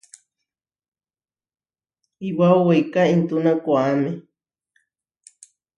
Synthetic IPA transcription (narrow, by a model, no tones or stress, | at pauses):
iwauwejkaint̪unãkʷaːme